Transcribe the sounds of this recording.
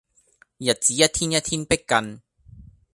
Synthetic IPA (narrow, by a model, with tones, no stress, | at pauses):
jɐ˨t̚t͡siː˨˦jɐ˦˥t̚t̪ʰi˦˥njɐ˥t̚t̪ʰi˦˥npe˦˥kkːɐ˧n